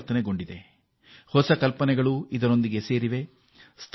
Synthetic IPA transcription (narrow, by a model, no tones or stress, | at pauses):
t̪ɐneɡo̞ɳɖid̪e̞ | hɔsɐkɐlpɐnɛɡɐɭuid̪ɐɾo̞nd̪iɡe̞se̞ːɾiʋe̞ | st̪ʰ